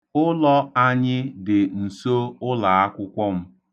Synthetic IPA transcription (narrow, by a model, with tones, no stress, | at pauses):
ʊ˦lɔ˦a˦ɲɪ˦dɪ˨n̩˨so˦ʊ˦la˨a˦kʷʊ˦kʷɔ˦m̩˦